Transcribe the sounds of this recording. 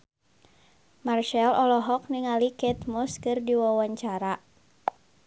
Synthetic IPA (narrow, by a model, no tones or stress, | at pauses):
marʃɛlɔlɔɦɔk̚niŋalikɛt̪mɔskɨrdiwawaɲt͡ʃaɾa